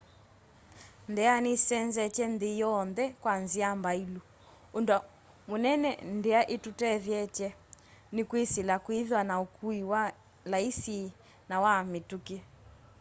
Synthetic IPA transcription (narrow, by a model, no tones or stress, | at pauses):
ndɛanisɛnzɛt͡ʃɛndejɔnðɛkwanziambailu | ondwa | monɛnɛ̰ndeaʔetutɛðjɛt͡ʃɛnɪkwisilakwiðwanaokuiwa | laisi | nawametukiɛ